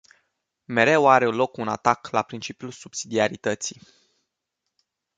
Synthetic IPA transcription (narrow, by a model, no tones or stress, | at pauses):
me̞ɾe̞waɾe̞lo̞kuna̰t̪aklapɾint͡ʃipjulsubsid̪iaɾit̪ət̪si